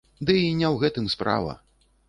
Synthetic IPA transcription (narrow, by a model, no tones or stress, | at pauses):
d̪ɨinʲɛwɣɛt̪ɨmspɾa̰vɐ̰